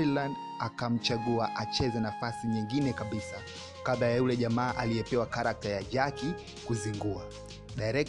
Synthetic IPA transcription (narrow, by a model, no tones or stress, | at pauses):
land | akam̩t͡ʃaɡuaʔat͡ʃɛzɛnafasiɲiŋɡinɛkaɓisa | kaðajajulɛʄamaːʔaliɛpɛwakaɾak̚tajaʄaki | kuziŋɡua | ɗajɾɛk